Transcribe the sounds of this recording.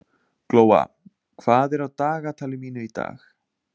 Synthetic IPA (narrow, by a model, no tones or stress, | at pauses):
kloːwa̰ | kʰv̥aːðɛɾawt̪aːɣat̪ʰaːlɪmiːnʏit̪a̰ːx